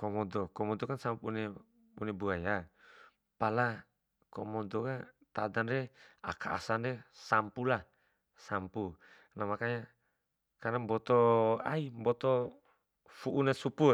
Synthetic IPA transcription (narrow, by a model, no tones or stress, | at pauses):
kɔmɔdɔkɔmɔd̪ɔkansampune | unebuaja | pala | kɔmɔd̪ɔkat̪adanɾea̰kʰaa̰sandesampula | sampu | namakaɲa | kanambɔt̪ɔaimbɔt̪ɔ | fuʔunasupu